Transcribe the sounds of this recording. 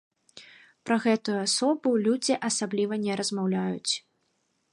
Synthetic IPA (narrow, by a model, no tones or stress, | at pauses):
pɾɐɣɛt̪ujuasɔbulʲud͡zʲiʔasablʲivɐnʲɛɾɐzmawlʲajut͡sʲ